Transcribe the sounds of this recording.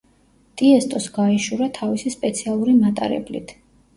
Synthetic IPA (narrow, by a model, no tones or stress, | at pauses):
t̪ʼiɛst̪ʼɔsɡaiʃuɾat̪ʰavisispʼɛt̪sʰialˠuɾimat̪ʼa̰ɾɛ̰blḭt̪ʰ